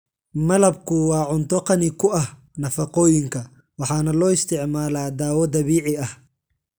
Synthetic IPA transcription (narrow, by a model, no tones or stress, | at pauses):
mɐlɐbkʰʊwɑːʕʊnt̪ʰɔqɑnɪkʰʊɐh | nɐfɑqɔːjɪŋkʰɐ | wɑħɑːnɐlɔːɪst̪ʰɪʕmaːlaːd̪aːwɔd̪ɐβiːʕɪɐh